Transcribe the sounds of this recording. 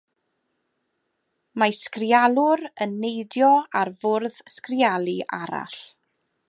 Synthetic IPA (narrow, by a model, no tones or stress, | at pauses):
maskrjalˠʊɾənːejdjɔarvʊrðskrjalˠiʔa̰ɾa̰ɬ